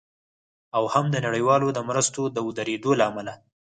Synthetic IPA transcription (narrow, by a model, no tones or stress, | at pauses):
awhamd̪ənaɽəjwɑlod̪əmɾəst̪od̪əəd̪aɾed̪olaːmala